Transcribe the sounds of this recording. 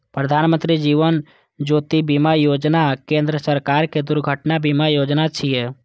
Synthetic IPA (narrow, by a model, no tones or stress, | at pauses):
pɾəd̪ʱaːnmə̃nt̪ɾid͡ʒiːʋən | d͡ʒoːt̪ibimajoːd͡ʒnakẽːnd̪ɾəsəɾkaːɾked̪ʊɾɡʱəʈnabimajoːd͡ʒnat͡ʃʰijɛ